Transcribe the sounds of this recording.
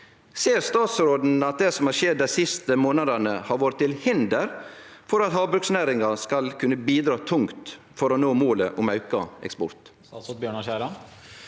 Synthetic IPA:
seːɾst̪ɑːt̪sɾoːd̪n̩ɑt̪̚d̪ɛsɔmhɑɾʃɛd̪ːæɪsɪst̪əmoːnɑd̪ənəhɑɾʋoːɾət̪ːɪlhɪnd̪əɾfɔɾɑt̪hɑːbɾʉksnæːɾɪŋɑskɑlkʰʉnːəbiːd̪ɾɑːt̪ʰʊŋkt̪ | fɔɾɔnoːmoːləʔʊmɑʉkɑ̰ɛ̰kspɔ̰ɾt̪ː | sot̪bjøːɳɑɕæːlɑn

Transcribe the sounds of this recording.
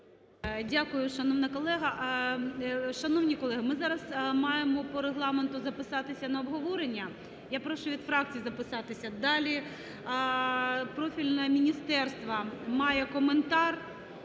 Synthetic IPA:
dʲakʊjʊʃɐnɔwnɐkɔlˠɛɦɐ | ʃɐnɔwnʲikɔlˠɛɦɐmɪzɑɾɐzmɑjemɔpɔɾeɦlˠɑment̪ʊzɐpɪsɑt̪ɪsʲɐnɐɔbɦɔʋɔɾenʲːɐ | japɾɔʃʊʋʲid̪fɾɑk̚t͡sʲijzɐpɪsɑt̪ɪsʲɐd̪ɑlʲi | pɾɔfʲilʲnɐmʲinʲist̪ɛrst̪ʋɐmɑjɛkɔment̪ɑr

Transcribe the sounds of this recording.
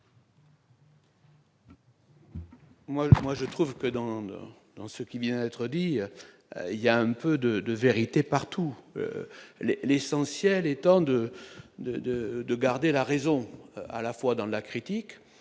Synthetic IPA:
mwamwaʒət̪χuvkəd̪ɑ̃ɑ̰̃d̪ɑ̃səkʲivjɛ̃d̪ɛt̪χəd̪i | iljaɛ̃pød̪əd̪əveʁit̪epaʁt̪uø̰lelesɑ̃sjɛlɛt̪ɑ̃d̪əd̪əd̪əd̪əɡaʁd̪elaʁezɔ̃a̰lafwad̪ɑ̃lakχit̪ik

